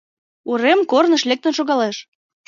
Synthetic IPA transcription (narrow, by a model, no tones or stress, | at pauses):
uɾemkornəʃlek̚t̪ə̆nʃoɣɑleʃ